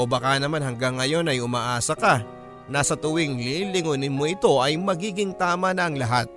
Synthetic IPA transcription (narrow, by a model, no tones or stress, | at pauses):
obɐkanɐmanɦɐŋɡaŋːɐjo̞nɐjʊmaːʔaːsɐka | nasɐt̪ʊwɪŋlilɪŋonɪnmoʔɪt̪o̞ʔɐjmɐɡiːɡɪŋt̪aːmɐnɐʔɐŋlɐɦat̪̚